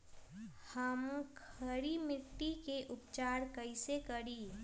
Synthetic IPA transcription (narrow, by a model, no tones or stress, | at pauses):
həmkʰəɾimɪʈːikeʔʊpt͡ʃaːɾkəɪsekəɾiː